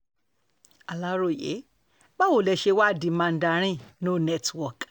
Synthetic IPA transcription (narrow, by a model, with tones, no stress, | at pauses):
a˨la˦ɾo˦˨jḛ˨˦ | ba˦wo˦˨lɛ˧ʃe˧wa˦˨dĩ˨˦mã˧n̩˨˦da˧ɾ̃ĩ˦˨nõ˦nɛ˦˨twɔ˨k